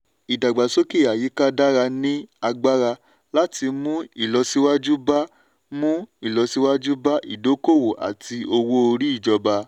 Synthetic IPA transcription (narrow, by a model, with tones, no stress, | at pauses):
i˨da˨ɡ͡ba˨so˦ke˦˨a˨ji˨˦ka˦da˦ɾa˧nĩ˦a˧ɡ͡ba˦ɾa˧ | la˦ti˧mũ˦i˦˨lɔ˧si˧wa˦d͡ʒu˦ba˦ | mũ˦i˦˨lɔ˨˧si˧˦wa˦d͡ʒu˦ba˦ʔḭ˨do˨˦ko˦˨wo˨ʔa̰˨tʰi˧o˧wo˦o˧ɾi˦i˦˨d͡ʒɔ˧ba˧